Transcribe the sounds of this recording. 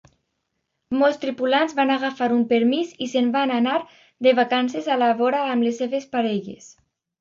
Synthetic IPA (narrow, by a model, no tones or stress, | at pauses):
mɔlˠst̪ɾipulanzβanaɣafaɾumpeɾmizisembananaɾ | ðeβakansezalaβɔɾaːmlesːeβespaɾɛʎḛs